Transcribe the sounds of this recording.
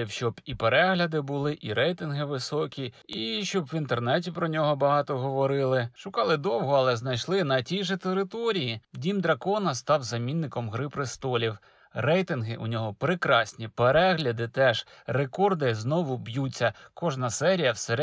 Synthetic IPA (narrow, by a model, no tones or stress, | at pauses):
iwʃt͡ʃɔbipeɾɛɦlʲɐd̪ɪbʊlˠɪʔiɾɛjt̪ɪnɦɪʋɪsɔkʲiiʃt͡ʃɔbʋint̪ernɛtʲipɾɔnʲɔɦɔbɐɦɑt̪ɔɦɔʋɔɾɪlˠɪʃʊkɑlˠɪd̪ɔwɦɔɐlˠɛznɐjʃlˠɪnɐtʲijʒɛt̪eɾɪt̪ɔɾʲijidʲimd̪ɾɐkɔnɐst̪ɑwzɐmʲinːɪkɔmɦɾɪpɾɪst̪ɔlʲiw | ɾɛjt̪ɪnɦɪʔʊnʲɔɦɔpɾɪkɾɑsʲnʲipeɾɛɦlʲɐd̪ɪt̪ɛʒ̥ | rekɔrd̪ɪznɔʋʊbjut͡sʲːɐkɔʒnɐsɛɾʲijɐwseɾ